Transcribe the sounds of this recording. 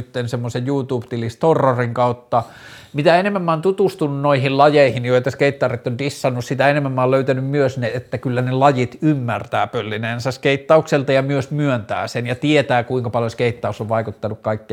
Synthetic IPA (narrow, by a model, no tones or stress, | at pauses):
t̪ːensemːosejjuːt̪uːpt̪ilist̪orːoriŋkɑˑut̪ːɑ | mit̪æenemːæmːæːˑont̪ut̪ust̪ununnoihillɑjeˑihinjoit̪ɑskeit̪ːɑrit̪ːondisːɑnːussit̪æenemːæmːæːløˑyt̪ænymmyøsniet̪ːækylːænelɑjit̪ymːært̪æːpølːineːnsæskeit̪ːɑukselt̪ɑjɑmyøsmyønt̪æ̰ːsenjɑt̪iet̪æːkuiŋkɑpɑljoskeˑit̪ːɑˑusːoʋʋɑˑikut̪ːɑnukkɑikːi